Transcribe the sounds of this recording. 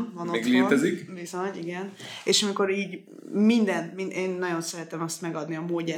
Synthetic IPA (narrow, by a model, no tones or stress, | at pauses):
vɒnoeɡleːt̪ɛzikvizoɲiɡɛneːʃɒmiko̞ɾiːɟ | mind̪ɛnmineːnːɒɟo̞nsɛɾɛt̪ɛmɒst̪mɛɡɒd̪niɒmoːɟɛ